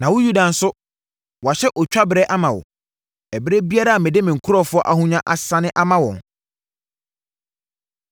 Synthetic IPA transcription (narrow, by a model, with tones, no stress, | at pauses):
nã˨wʊ̃˦ju˦dã˨n̩˦sʊ˦ | wa˨ɕɛ˦ʔɔ˨t͡ɕᶣa˦bɪ˨ɾɛ˦ʔa˦mã˨wɔ̰˨ | ɛ˨bɪ˦ɾe˦bi˦a˦ɾa˦a˨mɪ̃˨dɪ˦mɪ̃˨ŋ̩˨kʰʊ˦ɔ˦˨fʊ˦ɔ˦ʔa˨hũ˦ɲã˦ʔa˨sã˦nɪ̃˦ʔa˦mã˦wɔ̰̃˨n